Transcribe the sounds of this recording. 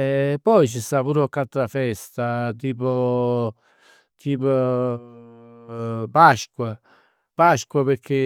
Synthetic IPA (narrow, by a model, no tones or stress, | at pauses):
ɛpːɔjt͡ʃist̪apuːɾɔkːat̪ɾafɛst̪at̪iːpo | t̪ʰiːpo | paʃkwa | paʃkwapeɾkʰe